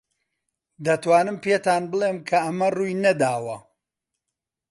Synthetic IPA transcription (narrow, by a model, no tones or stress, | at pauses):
d̪ɐt̪waːnɨmpeːt̪aːnbɨlˠeːmkʰɐɐmɐruːjnɐd̪aːwɐ